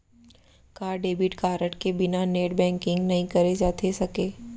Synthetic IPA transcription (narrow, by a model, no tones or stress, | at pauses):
kaːɾɖeːbɪʈkaːɾəʈkebɪnaneːʈbɛ̃ːŋkɪ̃ŋɡnɐɦĩkɐɾed͡ʒaːt̪ʰesɐkeː